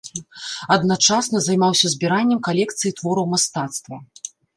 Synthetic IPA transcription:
ɐd̪nat͡ʂasnɐzajmawsʲɐzʲbʲiɾanʲːɛmkalʲɛkt̪sɨjit̪vɔɾɐwmast̪at̪st̪vɐ

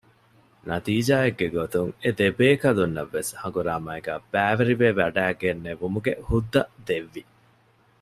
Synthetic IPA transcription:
nɐt̪iːd͡ʒaːeɡːeɡot̪uŋed̪ebeːkɐlunːɐʋːeshɐŋɡuɾaːmaːeɡæ̰ːb̥æːʋeɾiʋeʋɐɖæːɡenːeʋumuɡehud̪ːɐd̪eʋːi

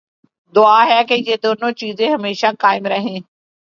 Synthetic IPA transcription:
d̪ʊaːɦɛːkejeːd̪oːnõːt͡ʃiːzẽːɦəmeːʃaːkaːɪmɾəɦẽː

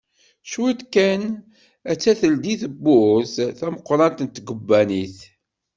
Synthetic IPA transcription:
ʃwit̪kæn | æt͡sːæθəld̪iθəbːʊsθæməqːɾˤɑnt̪ənt̪ɡəbːæniθ

